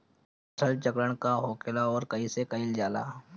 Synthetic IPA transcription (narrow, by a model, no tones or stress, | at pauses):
tʰəlt͡ʃəkɾəɳkaɦoːkeːlaɔːɾkɐĩsekəĩld͡ʒaːla̰ː